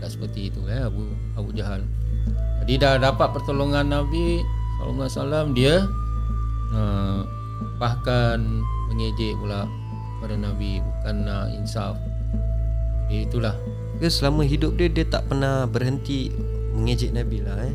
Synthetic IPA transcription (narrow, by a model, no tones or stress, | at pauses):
daʔsə̥pərt̪iit̪uɛabu | abud͡ʒaɦal | d͡ʒadidadapat̪̚pərt̪oloŋanːabit̪o̰lo̰ŋansalamdiə | ə | baɦkanməŋed͡ʒɪʔmulaʔ | padanabibukanaḭnsaf | adiəit̪ulah | t̪əsəlaməɦidʊp̚diədiət̪a̰ʔpərnahbərɦənt̪i | məŋed͡ʒɪʔnabilahɛ